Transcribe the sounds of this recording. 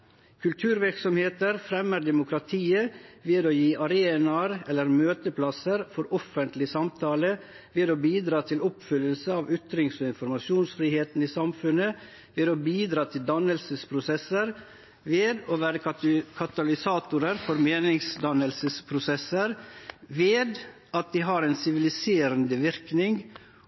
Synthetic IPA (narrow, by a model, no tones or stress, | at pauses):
kʰʉlt̪ʰʉːɾʋɪɾksɔmheːt̪əɾfɾɛmːəɾd̪ɛmʊkʰɾɑt̪ʰiːəʋeːd̪oːjiːʔɑɾeːnɑɾɛlːəɾmøːt̪əpʰlɑsəɾfɔɾɔfənt̪lɪsɑmt̪ʰɑːlə | ʋeːd̪oːbiːd̪ɾɑːt̪ʰɪlɔpfʏlːəlsəɑːʋʏt̪ɾɪŋsoːɪnfɔɾmɑʃɪuːnsfɾiːheːt̪n̩iːsɑmfʉnə | ʋeːd̪oːbiːd̪ɾɑːt̪ʰɪld̪ɑnəlsəspʰɾʊsɛsːəɾ | ʋeːd̪oːʋæːɾəkʰɑt̪ɑlɪsɑːt̪ʊɾəɾfɔɾmeːnɪŋsd̪ɑnəlsəspʰɾʊsɛsəɾʋeːd̪ | ɑt̪̚d̪iːɦɑɾɛːnsɪʋɪlɪseːɾənd̪əʋɪɾknɪŋ